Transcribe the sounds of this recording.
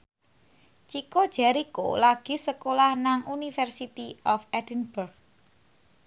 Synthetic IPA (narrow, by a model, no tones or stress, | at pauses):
t͡ʃikod̥ʒ̥a̤ɾiko̰laɡ̥i̤səkolahnaŋʔunifɛrsit̪iɔfɛdənburɡ̚